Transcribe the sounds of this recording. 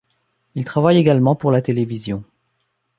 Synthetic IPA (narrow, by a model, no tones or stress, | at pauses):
ilt̪χavajeɡalmɑ̃puʁlat̪elevizjɔ̃